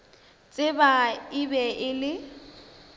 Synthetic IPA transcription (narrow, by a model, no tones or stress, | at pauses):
t͡sʼɪbaibɛʔɪlɪ